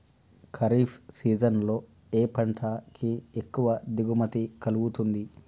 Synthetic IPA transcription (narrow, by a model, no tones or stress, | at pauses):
kʰɐɾiːpʰsiːd͡ʒɐnlo̞ː | eːpɐɳʈʰakʰiekːuʋɐd̪iɡumɐt̪ikɐluɡut̪und̪i